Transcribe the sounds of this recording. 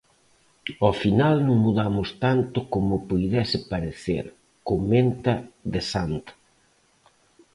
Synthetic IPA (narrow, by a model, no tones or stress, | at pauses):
ɔfinalnõŋmuðamʊst̪ant̪ʊkomʊpujðɛsɪpaɾeθḛɾ | komẽnt̪ɐðesant̪ḁ